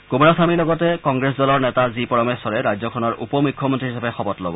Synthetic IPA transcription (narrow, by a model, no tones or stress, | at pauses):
kumɔɹasamilɔɡɔtɛkɔŋɡɹesdɔlɔɹnɛtazipɔɹɔmɛsɔɹɛɹajzɔkʰɔnɔɹʔupɔmukʰːɔmɔntɹiɦisabɛxɔbɔtlɔ̰bɔ̰